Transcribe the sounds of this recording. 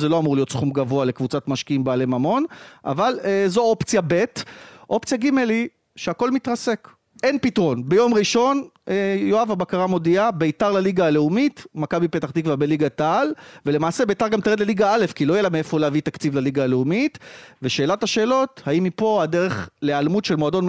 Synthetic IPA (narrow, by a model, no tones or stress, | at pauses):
zelo̞amuʁlijo̞tsχumɡavo̞ale̞kvut͡satmaʃkiimbaːle̞mamo̞nʔa̰valezo̞o̞pt͡sjabe̞tʔo̞pt͡sjaɡimeli | ʃeako̞lmitʁase̞k | e̞npitʁo̞nbe̞jo̞mʁiʃo̞n | ejoavabakaʁamo̞diabeitaʁlaliɡaːle̞umitmakabipetaχd̪ikvabeliɡatalvele̞maːsebejtaʁɡamt̪eʁedleliɡaale̞fkilo̞jelameefoleavit̪akt͡sivlaliɡaːleumitveʃe̞ːlathaʃe̞ːlo̞thaimipo̞adeʁe̞χle̞almutʃelmoado̞n